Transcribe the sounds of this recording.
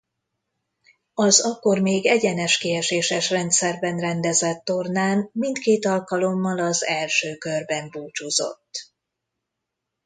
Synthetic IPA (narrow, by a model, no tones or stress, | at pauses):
ɒzɒkːo̞rmeːɡɛɟɛnɛʃkeɛʃeːʃɛʃrɛnt̪sɛrbɛnrɛnd̪ɛzɛt̪ːo̞rnaːnmint̪keːt̪ɒlkɒlo̞mːɒlɒzɛlʃøːkørbɛmbuːt͡ʃuzo̞̰t̪ː